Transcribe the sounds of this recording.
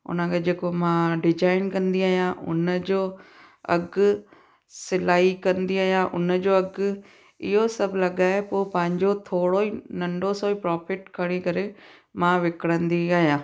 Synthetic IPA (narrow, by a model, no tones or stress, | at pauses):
ʊ̰nə̃kʰed͡ʑeːkomãɖɪd͡ʑaːɪnkɐ̃nd̪iaːɦijãʔʊ̰nəd͡ʑoː | ɐ̰ɡ | sɪlaːikɐ̃nd̪iaːɦijãʔʊ̰nəd͡ʑoːɐɡ | ɪ̰ɦosɐbʱlɐɠaːepoːpɐ̃ɦɪ̃ɲd͡ʑot̪ʰoːɽoinɐ̃ɳɖosoːipɾaːfɪʈkʰɐɽ̃ikɐɾe | mãʋɪkɽə̃nd̪iaːɦijãː